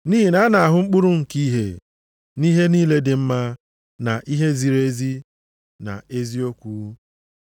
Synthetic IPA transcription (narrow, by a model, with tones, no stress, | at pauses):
ni˦ɦi˦na˦na˨a˨ɦʊ˦ŋ͡m̩˦k͡pʊ˦ɾu˦ŋ̩˨ki˦ɦe˨ | ni˦ɦe˦niː˦le˦dɪ˨m̩˦ma˦ | na˨ʔi˦ɦe˦zi˨ɾe˦zi˦ | na̰˨e˦zi˦o˦kʷuː˦